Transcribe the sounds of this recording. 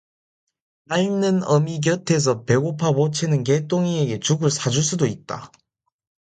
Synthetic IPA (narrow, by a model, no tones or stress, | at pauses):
naɭnɯnʌmiɡ̬jʌtʰe̞s̬ʰʌpe̞ɡopʰabot͡ɕʰenɯnk̬et͈oŋieɡe̞t͡ɕuɡɯɭsʰad͡ʑuɭs̬͈udoit̚t͈a̰